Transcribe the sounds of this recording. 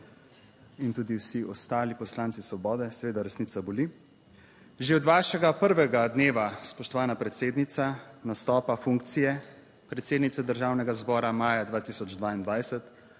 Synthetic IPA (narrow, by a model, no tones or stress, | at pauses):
int̪uːd̪iwsiɔst̪aːlipɔslaːnt̪sisʋɔbɔːd̪ɛsɛʋeːd̪aɾɛsniːt̪sabɔli | ʒeɔd̪ʋaːʃɛɡapəɾʋɛɡad̪neːʋaspɔʃt̪ɔʋaːnapɾɛt̪seːd̪nit̪sanast̪ɔːpafuŋkt̪sijɛ | pɾɛt̪seːd̪nit̪ɛd̪əɾʒaːwnɛɡazbɔːɾamaːjad̪ʋaːt̪isɔd͡ʒd̪ʋaːind̪ʋajsɛt̪